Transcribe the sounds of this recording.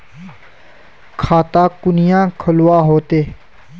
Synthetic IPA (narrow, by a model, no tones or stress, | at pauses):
kʰaːt̪aːkʊnɪjãːkʰəlʊwaːɦoːt̪eː